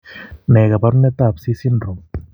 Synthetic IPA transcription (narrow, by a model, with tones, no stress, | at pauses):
ne˨ɡa˨ba˦ɾne˦t̪a˦˨psi˦si˦nɾo˨m